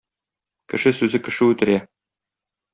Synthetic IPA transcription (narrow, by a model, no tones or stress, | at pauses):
kɘ̰̆ʃɘsʉzɘkɘ̆ʃɘʉt̪ɘ̆ɾæ